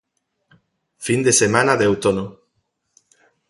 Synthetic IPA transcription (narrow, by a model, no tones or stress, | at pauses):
find̪esemanaðewt̪ono